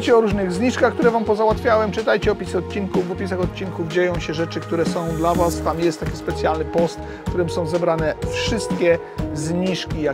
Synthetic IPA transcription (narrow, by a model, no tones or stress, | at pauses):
t͡ɕɛɔɾuʐnɘɣzɲiʂkaxkt̪uɾɛvampɔzawat̪fʲjawɛmt͡ʂɘt̪ajt͡ɕɛɔpʲisɘɔt̪̚t͡ɕinkuvɔpʲisaxɔt̪̚t͡ɕinkuvd͡ʑejɔ̃w̃ɕɛʐɛt͡ʂɘk̚t̪uɾɛsɔ̃w̃d̪lavast̪amjɛst̪ːakʲispɛt̪sʲjalnɘpɔst̪ | kt̪uɾɘmsɔ̃w̃zɛbɾanɛfʂɘst̪̚kʲɛ | zɲiʂkʲija